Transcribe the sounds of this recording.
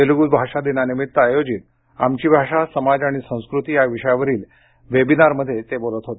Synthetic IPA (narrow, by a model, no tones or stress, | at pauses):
eluɡuːd̪bʱaʂad̪inanimit̪ːəajod͡ʑit̪̚ | amt͡ɕiːbʱaʂasəmad͡zaɽ̃isə̃w̃skɾut̪ijaʋiʂəjaʋəɾiːl | ʋebinaɾməd̪ʱːjet̪ebolət̪ɦot̪e